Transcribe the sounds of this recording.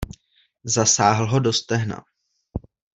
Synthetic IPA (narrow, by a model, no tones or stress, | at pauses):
zasaːɦl̩ɦo̞do̞st̪ɛɦna̰